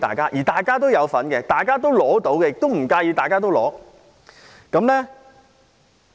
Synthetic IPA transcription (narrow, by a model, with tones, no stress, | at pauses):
t̪a̰ː˨˩jkaː˥ʔjiː˨˩t̪aː˨jkaː˥t̪̬o˥wjɐ˨˧wfɐ˨˥nkɛ˧t̪aː˨˩jkaː˥t̪o˥wlɔː˨˥t̪o˨˥wkɛ˧jɪ˨k̚t̪o˥wm̩˨˩kaː˧jyː˧t̪aː˨jkaː˥t̪̬o˥wlɔ̰ː˨˥ | kɐ˨˥mlɛː˥